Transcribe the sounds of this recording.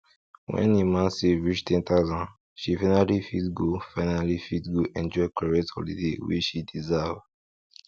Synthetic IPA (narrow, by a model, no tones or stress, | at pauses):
wɛ̰̃nemãnseɹit͡ʃtɛ̃ntazãn | ʃifanalifidɡofaɪnalifitɡoʔɛ̃nd͡ʒɔɪklɔɹetɔ̰ldḭdewḭt͡ʃʃidizava